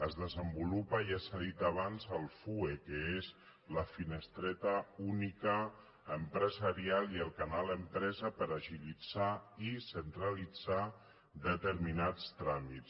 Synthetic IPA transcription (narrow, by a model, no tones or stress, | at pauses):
əzðəzəmbulupəiasaðit̪aβ̞anzəlˠfuekəez | ləfinəst̪ɾɛt̪əunikəː | mpɾəzaɾialiəlˠkanalˠəmpɾɛzəpəɾaʒilid͡z̥aisənt̪ɾəlid͡za | d̪ət̪əɾminat͡st̪ɾamitt͡s